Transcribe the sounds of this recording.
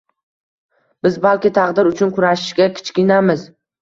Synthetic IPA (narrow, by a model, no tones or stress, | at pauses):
b̥ɪzbalkʲɪt̪ʰɑqd̪ɪɾʊt͡ʃʰʊnkʰʊɾaʃɪʃɡʲakʲʰɪ̥t͡ʃkʲɪnamɪz